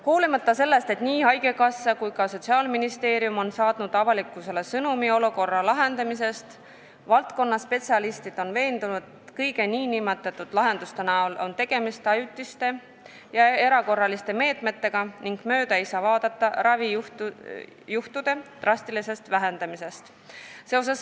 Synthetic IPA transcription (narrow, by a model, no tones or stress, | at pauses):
huːlimɑt̪ːˑɑse̞lːe̞st̪e̞t̪niːhɑjɡ̥e̞kɑsːɑkujkɑso̞t̪ʲsiɑːlminist̪e̞ːɾiumo̞nsɑːt̪nud̪̥ɑvɑlikːˑuse̞lesɤnumio̞luko̞rːɑlɑɦe̞nd̪̥ɑmise̞st̪ | vɑlt̪ko̞nːɑspe̞t̪ʲsiɑlist̪id̪̥o̞nve̞ːnd̪unud̪̥et̪kɤjɡe̞niːnimet̪ːˑɑt̪ːˑud̪̥lɑɦe̞nd̪ust̪enɑolo̞nt̪e̞ɡ̥e̞mist̪ɑjut̪ːˑist̪e̞ | jɑe̞ɾɑko̞rːɑlist̪e̞me̞ːt̪ˑme̞t̪ːe̞ɡ̥ɑniŋɡ̥mø̞ːd̪ɑeijsɑːvɑːd̪̥ɑt̪ːˑɑɾɑvi | juht̪ud̪̥e̞t̪rɑst̪ilise̞st̪væɦe̞nd̪̥ɑmise̞st̪ | se̞o̞s̬es